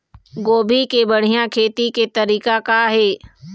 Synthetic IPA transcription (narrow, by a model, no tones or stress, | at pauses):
ɡoːbʱikebəɽ̤ijãkʰeːt̪iket̪ɐɾiːkakaɦeː